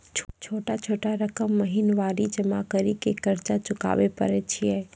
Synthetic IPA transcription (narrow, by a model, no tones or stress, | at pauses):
t͡ʃʰt͡ʃʰoːʈat͡ʃʰoːʈaɾəkəmːəɦinʋaɾid͡ʒəmakəɾikekəɾt͡ʃat͡ʃʊka̰ʋepə̰ɾɛt͡ʃʰijɛ